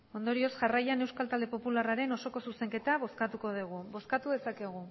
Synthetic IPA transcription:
o̞nd̪o̞ɾio̞sʝarajane̞wskalt̪ald̪e̞po̞pularaɾe̞no̞so̞ko̞suse̞ŋke̞t̪aβo̞skat̪uko̞ðuɣ̞uβo̞skat̪uðe̞sake̞ɣ̞u

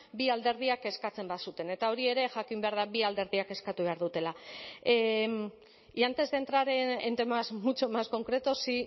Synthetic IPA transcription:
biald̪e̞ɾð̞iake̞skat͡se̞mbasut̪e̞ne̞t̪ao̞ɾie̞ɾe̞ʝakimbe̞aɾð̞aβiald̪e̞ɾðiake̞skat̪uβ̞aɾðut̪e̞la | iant̪e̞zðe̞nt̪ɾaɾe̞nent̪e̞mazmut͡ʃomasko̞ŋkɾe̞t̪osi

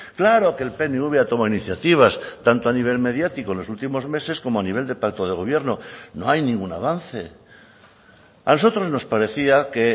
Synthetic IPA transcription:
klaɾo̞kelpe̞neuβeat̪o̞mainiθjat̪iβ̞ast̪ant̪oaniβ̞e̞lme̞ðjat̪ikoenlo̞sult̪imo̞zme̞se̞sko̞moaniβ̞e̞ld̪e̞pakt̪o̞ð̞eɣ̞o̞β̞je̞ɾno̞no̞ajnĩŋɡuna̰β̞anθe̞ | a̰no̞so̞t̪ɾo̞zno̞spaɾe̞θiake

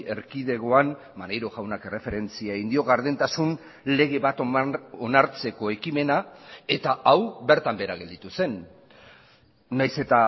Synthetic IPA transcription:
e̞ɾkið̞e̞ɣo̞an | manejɾoɣawnake̞re̞fe̞ɾe̞nt͡siaeɣind̪io̞ɣaɾð̞ent̪asun | le̞ɣ̞e̞βat̪onaɾt͡se̞ko̞e̞kime̞nae̞t̪aʔawbe̞ɾt̪ambe̞ɾaɣ̞e̞ld̪it̪use̞n | ajse̞t̪a

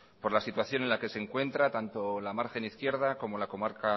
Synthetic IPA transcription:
po̞ɾlasit̪waθjo̞nenlake̞se̞ŋkwe̞nt̪ɾat̪ant̪o̞lamaɾxe̞niθkje̞ɾð̞ako̞mo̞lako̞maɾka

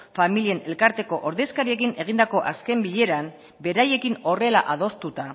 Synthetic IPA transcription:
familie̞ne̞lkaɾt̪e̞ko̞ʔoɾðe̞skaɾie̞k̬ine̞ɣ̞ind̪ako̞ʔaske̞mbiʎe̞ɾam | be̞ɾaje̞kino̞re̞la̰ʔaðo̞st̪ut̪a

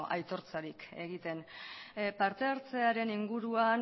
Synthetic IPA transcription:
ʔa̰jt̪o̞ɾt͡saɾike̞̰ɣit̪e̞n | paɾt̪e̞aɾt͡se̞aɾe̞niŋɡuɾuan

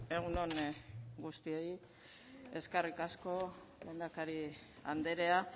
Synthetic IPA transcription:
e̞ɣ̞uno̞nɡust̪ioj | e̞skarikasko̞ | lend̪akaɾi | a̰nd̪e̞ɾe̞a

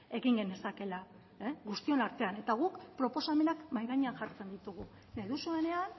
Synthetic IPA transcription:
e̞ɣiŋɡe̞ne̞sake̞la | eɣust̪io̞naɾt̪e̞ane̞t̪aɣ̞ukpɾo̞po̞same̞nakmajɣaɲeaŋʝaɾt͡se̞nd̪it̪uɣ̞u | neðusuene̞an

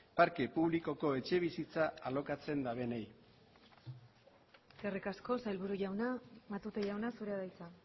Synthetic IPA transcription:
paɾke̞puβliko̞ko̞e̞t͡ʃe̞β̞isit͡saːlo̞kat͡se̞nd̪aβe̞nej | erikasko̞sajlβuɾuʝawnamat̪ut̪eʝawnasuɾeaðajt͡sa

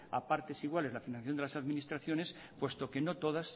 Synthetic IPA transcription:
a̰paɾt̪e̞siɣwale̞zlafinãnθθjod̪elasaðminist̪ɾaθjo̞ne̞s | pwe̞st̪oke̞no̞t̪o̞ðas

